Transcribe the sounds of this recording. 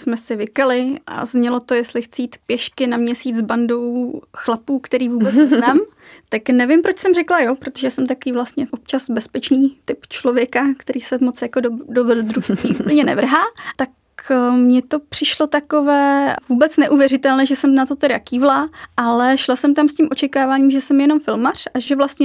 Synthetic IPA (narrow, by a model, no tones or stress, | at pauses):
smɛsɪvɪkalɪʔa̰zɲɛlo̞t̪o̞jɛst̪lɪxt͡sɪjiːt̪pjɛʃkɪnamɲɛsiːt͡sbando̞wxlapuːkt̪ɛɾiːvuːbɛt͡snɛznaːm | t̪aknɛvɪmpɾot͡ʃsɛmr̝ɛklajopɾot̪oʒɛsɛmt̪akoviːvlast̪ɲɛʔop̚t͡ʃazbɛspɛt͡ʃniːt̪ɪpt͡ʃlovjɛkakt̪ɛɾiːsɛmot͡sjakododovɛdd̪ɾusɲiːʔup̩ɲɛnɛ̰vr̩ɦaːt̪ak | mɲɛt̪o̞pr̝̥ɪʃlo̞t̪akovɛːvuːbɛt͡snɛʔuːvjɛɾɪt̪ɛlɲɛʒɛsɛmnat̪o̞t̪ɛɾa̰kiːvlaːʔalɛʃlasɛmt̪amscʲimʔo̞t͡ʃɛkaːvaːɲiːmʒɛsɛmjɛno̞mfɪlmar̥ʔaʒɛvlast̪ɲɛ